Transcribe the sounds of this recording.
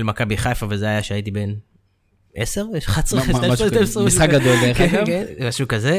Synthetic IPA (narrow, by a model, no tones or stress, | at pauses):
lmakabiχajfavezeajaʃeait̬ibe̞n | eseʁeʃχatsʁetesʁemisχakɡad̪olzekeenmaʃukaze